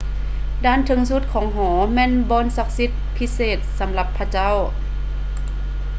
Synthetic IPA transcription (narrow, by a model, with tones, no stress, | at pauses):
daː˧˥˨nt̪ʰɯ˨˦ŋsu˧˥t̪̚kʰɔː˩˦ŋɦɔː˩˦mɛː˧˥˨nbɔː˧˥˨nsa˧˥k̚si˧˥t̪̚pʰi˧˥seː˨˩t̪̚sa˩˦mla˧˥pʰːa˧t͡ɕa˥˨w